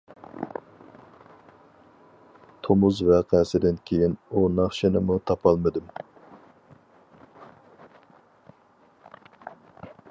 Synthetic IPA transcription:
t̪ʰomuzvɛqʰæsɪd̪ɪnkʲʰejinunɑχʃenɪmut̪ʰɑpʰɑlˠmɨd̪ɨm

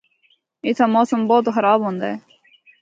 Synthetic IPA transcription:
ɪt̪ʰaːmoːsəmboːt̪xɐɾaːbɦõːnd̪aːeː

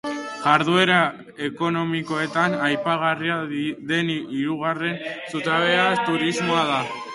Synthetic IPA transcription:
ɣaɾðue̞ɾa | e̞ko̞no̞miko̞e̞t̪anajpaɣ̞ariaðe̞niɾuɣare̞nsut̪aβe̞at̪uɾizmo̞aða

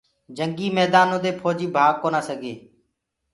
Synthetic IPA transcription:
d͡ʒəŋɡiːmɛːd̪aːnõːd̪eːpʰoːd͡ʒiːbʱaːɡkoːnaːsəɡeː

